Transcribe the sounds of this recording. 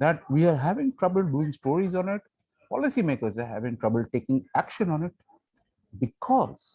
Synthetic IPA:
d̪æʈ̚ʋiːaɾɦæʋɪ̃ŋʈɾʌbəlɖ̚ɖuːɪ̃ŋsʈoːɾizɔ̃ːnɪʈ | pɔ̰lɪsimeːkəɾzaɾɦæ̰ʋɪ̃ŋʈɾʌbəlɖ̚ʈeːkɪ̃ŋækʃə̃nɔ̃ːnɪʈ̚ | bɪkʰɔz̥

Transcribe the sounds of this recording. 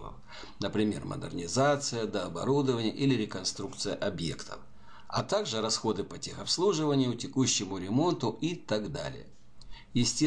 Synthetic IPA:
ə̰ | nəpɾʲɪmʲe̞̰rmʔɐ̰d̪ɨ̰rnʲɪzat̪sɨjəd̪ɐːbɐ̰ɾud̪əvənʲɪjəʔilʲɪɾʲɪkɐnst̪ɾukt̪sɨjəʔɐbje̞̰kt̪ʰə̰f | ɐ̰t̪aɡʐɨɾɐsxo̞d̪ɨpɐtʲe̞xɐpslˠuʐɨvənʲɪjʊtʲɪkuɕːɪmʊɾʲɪmo̞nt̪ʊʔit̪aɡd̪a̰lʲɪ̰jə | jɪsʲtʲe

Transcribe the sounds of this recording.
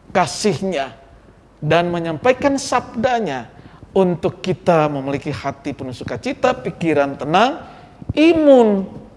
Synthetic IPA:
kasɪhɲa | danməɲampaikansab̚daɲaunt̪ʊkːit̪aməmilikihat̪ipənusukat͡ʃit̪apikiɾant̪ənaŋ | ʔimʊn

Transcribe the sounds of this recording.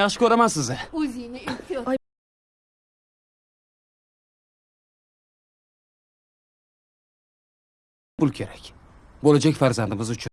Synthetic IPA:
ɑχʃɪkʰʲɵɾamansɪzɪɵzɪnɪet̪ʰɪj | bʊlˠkʲʰe̞ɾakʲbolad͡ʒakʲfaɾzand̪ɪmɪzʊt͡ʃʰʊ

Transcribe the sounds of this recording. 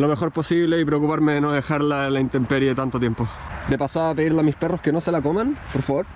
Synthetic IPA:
lome̞xo̞ɾpo̞siβleipɾeokupaɾmeðenoðexaɾlaelaint̪empeɾiet̪ant̪ot̪jempo | d̪epasaapeðiɾlamispero̞skeno̞selakomanpoɾfaβoɾ

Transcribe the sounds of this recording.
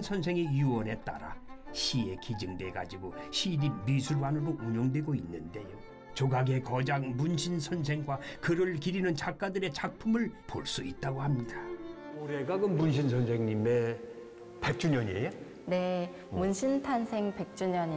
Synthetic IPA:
nsʰʌnsʰe̞ŋejuwʌne̞t͈a̰ɾa̰ɕʰie̞kid͡ʑɯŋde̞ɡa̰d͡ʑiɡoɕʰiɾimisʰuɾwanɯdoʔuɲoŋdwe̞ɡoinːɯnde̞jo | t͡ɕoɡaɡe̞kʌd͡ʑaŋmunɕʰinsʰʌns̬ʰe̞ŋɡwakɯɾɯɭkiɾinɯnt͡ɕak̚k͈adɯɾe̞t͡ɕak̚pʰumɯɭpo̰ɭs͈uit̚t͈aɡohamɲida | oɾeɡaɡɯnmunɕ̬ʰinsʰʌnsʰeŋɲime | pek̚t͡ɕ͈uɲʌɲḛje | ne̞ | munɕʰintʰansʰe̞ŋpe̞k̚t͡ɕ͈uɲʌɲi

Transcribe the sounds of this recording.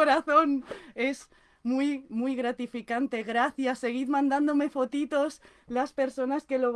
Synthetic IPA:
oɾaθone̞z | mujmujɣɾat̪ifikant̪e̞ɣɾaθjasːe̞ɣ̞iðmãnd̪and̪o̞me̞fo̞t̪it̪o̞s | laspe̞ɾso̞naske̞loβ

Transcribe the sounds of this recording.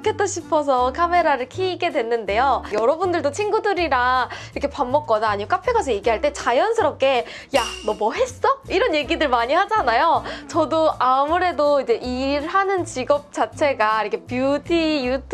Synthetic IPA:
kʰet͈ʰoɕʰipʰʌs̬ʰʌkʰame̞ɾaɾɯɭkʰeiɡe̞dwe̞nːɯnde̞jojʌɾʌbundɯɭdot͡ɕʰiŋɡudɯɾiɾaiɾʌkʰe̞pamːʌk̚k͈ʌnaːɲiok͈apʰeɡasʰʌjeɡiɦaɭt͈e̞t͡ɕajʌnsʰɯɾʌp̚k͈e̞ | janʌmʌɦe̞s͈ʌiɾʌnje̞ɡidɯɭmaɲiɦad͡ʑanajot͡ɕʌdoamuɾe̞doid͡ʑe̞ʔiɾɦanɯnt͡ɕiɡʌp̚t͡ɕ͈at͡ɕʰe̞ɡaiɾʌkʰe̞pjudijutʰ

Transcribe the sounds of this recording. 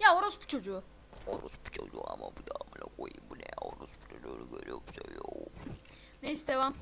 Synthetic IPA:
jaoɾusbu̥t͡ʃʰo̞d͡ʒuː | oɾusbu̥t͡ʃʰod͡ʒuamabud̪amɯnakʰojimbunɛoɾusbu̥t͡ʃʰod͡ʒuːnuɟʲøɾijobisøɾijo | nejist̪evam

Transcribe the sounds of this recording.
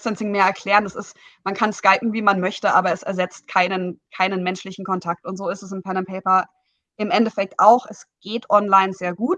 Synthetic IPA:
stɛnsɪŋmeːɐɛɐkʰl̥ɛːʁəndasɪsmankʰanskaɪpm̩viːmanmœçtəʔaːbɐɛsɛɐzɛt͡st̚kʰaɪnənkʰaɪnənmɛnʃlɪçn̩kʰɔntʰak̚tʊntz̥oːɪstɛs̬ɪmpʰɛnəmpʰɛɪpɐ | ʔɪmʔɛndɛfɛk̚tʔaʊxʔɛsɡ̥eːtʰʔɔnlaɪnzeːɐɡuːt

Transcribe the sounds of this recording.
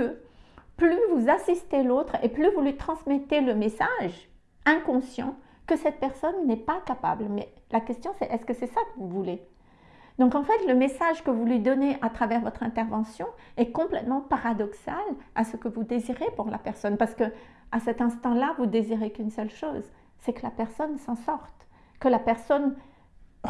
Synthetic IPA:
əplyvuzasist̪elot̪χeplyvulɥit̪χɑ̃smɛt̪eləmesaʒ | ɛ̃kɔ̃sjɑ̰̃ | kəsɛt̪̚pɛʁsɔnːɛpakapa̰blmɛlakʲɛst̪jɔ̃sɛʔɛskəsɛsakəvuvule | d̪ɔ̃kɑ̃fɛt̪ləmesaʒkəvulɥid̪ɔneʔat̪χavɛʁvɔt̪χɛ̃t̪ɛʁvɑ̃sjɔ̃ɛkɔ̃plɛt̪mɑ̃paʁad̪ɔksalasəkəvud̪eziʁepuʁla̰pɛʁsɔnpaʁsə̥kəasɛt̪ɛ̃st̪ɑ̃lavud̪eziʁekynsœlʃoːz | sɛkəlapɛʁsɔnsɑ̃sɔʁt̪ | kəlapɛʁsɔn

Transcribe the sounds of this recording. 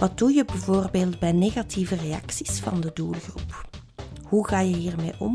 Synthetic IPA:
ʋɑtdujəbəvoːrbeːlˠdbɛjneːɣɑtʰivəreɑ̰ksi̥sfɑ̰ndəduːlˠɣrup | huɣaːjəɦiːrmeːʔɔ̰m

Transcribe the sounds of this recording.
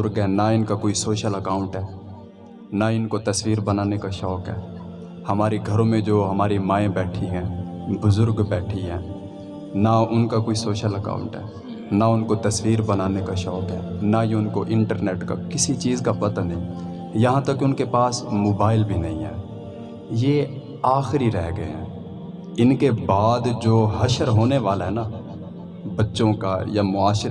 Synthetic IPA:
ʊɾɡɦɛːnaɪnkakoːisoːʃəlɐkaːʊ̃ɳʈɦɛː | naɪnkot̪ɐswiːɾbɐnaːnekaʃɔːkɦɛː | hɐmaːɾiɡʱɐɾõmẽd͡ʒoːɦɐmaːɾimaːẽbɛːʈʰiɦɛ̃ː | bʊzʊɾɡbɛːʈʰiɦɛ̃ː | naʊnkakoːisoːʃəlɐka̰ːʊ̃ɳʈɦɛ̰ː | naʊnkot̪ɐswiːɾbɐnaːnekaʃɔːkɦɛːnajeʊnkoʔɪ̃ɳʈəɾneːʈka̰kɪsit͡ʃiːzkapɐt̪anĩ | jɐɦãt̪ɐkːʊnkepaːsmoːbaːɪlbʱinɐɦĩɦɛ̰ː | jeː | aːxɾiɾɛɦɡɐḛɦɛ̰̃ː | ɪnkebaːd̪d͡ʒoːɦɐʃəɾɦoːneʋaːlɦɛnaː | bɐtːʃõka̰jamʊaːʃɾ

